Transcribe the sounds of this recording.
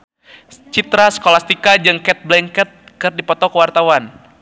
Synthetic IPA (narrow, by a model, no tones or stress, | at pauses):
t͡ʃit̪ɾasə̥kolast̪ikad͡ʒɨŋkɛt̪̚blɛŋkɛt̪̚kɨrdipɔt̪ɔkəwart̪awan